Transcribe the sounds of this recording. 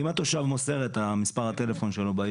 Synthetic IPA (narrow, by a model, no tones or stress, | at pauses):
imat̪oʃavmose̞ʁet̪amispaʁhat̪e̞le̞fo̞nʃelobaj